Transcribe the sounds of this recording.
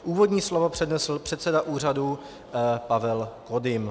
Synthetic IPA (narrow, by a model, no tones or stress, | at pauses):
ʔuːvodɲiːslovopr̝̥ɛdnɛsl̩pr̥ɛt̪sɛdaʔuːr̝adu | pavɛlkodɪm